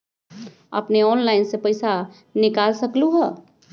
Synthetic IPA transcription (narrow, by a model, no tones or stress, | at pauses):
ə̰pneɔːnlaɪnsepəɪsa | nikalsəkluɦə